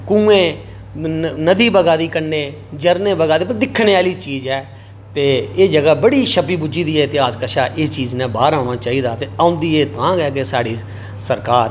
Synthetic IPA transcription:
kũːẽː | nəd̪iːbəɡaːd̪iːkənːeː | d͡ʒəɾnẽːbəɡaːd̪eːpəd̪ɪkʰːneːaːliːt͡ʃiːd͡ʒɛː | t̪eːeːd͡ʒəɡaːbəɽiːʃəpiːbud͡ʒiːd̪iːɛt̪ɪɦaːskəʃaːʔɪːst͡ʃiːznɛ̃ːbaːɾãːɽ̃aːt͡ʃaːiːd̪aːt̪eːaːʊ̃nd̪iːeːt̪ãːɡɛːkesaːɽiː | səɾkaːɾ

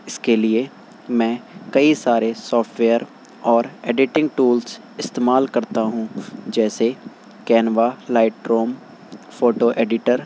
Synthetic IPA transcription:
ɪskelie | mɛ̃ːkɐisaːɾesɔːfʈʋeːəɾ | ɔːɾeːɖɪʈɪ̃ŋɡʈuːls | ɪst̪eːmaːlkɐɾt̪aɦũd͡ʒɛːse | kɛːnʋalaːɪʈɾoːm | foːʈoʔeːɖɪʈəɾ

